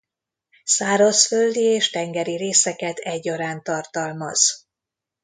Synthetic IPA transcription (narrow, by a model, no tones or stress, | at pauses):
saːɾosføld̪ieːʃt̪ɛŋɡɛɾiɾeːsɛkɛt̪ɛɟːoɾaːnt̪ɒrt̪ɒlmɒ̰z̥